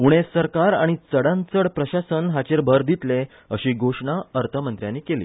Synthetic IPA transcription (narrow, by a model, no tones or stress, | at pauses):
uɽ̃esəɾkaɾaɽ̃it͡səɽãnt͡səɽpɾəɕasənɦat͡ɕeɾbʱəɾd̪it̪le | əɕiːɡʱoʂɳaəɾt̪ʰəmənt̪ɾjãnːiːkelḭː